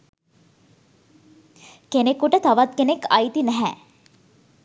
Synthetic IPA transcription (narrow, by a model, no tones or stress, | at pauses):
kenekuʈət̪aʋat̪̚kenekajt̪inæɦɛ